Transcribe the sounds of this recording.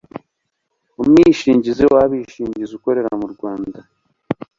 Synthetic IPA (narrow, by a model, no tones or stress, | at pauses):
umŋiːʃiːɲɟizewaβiʃiːɲɟizuko̞ɾe̞ɾamuɾɡwaːnda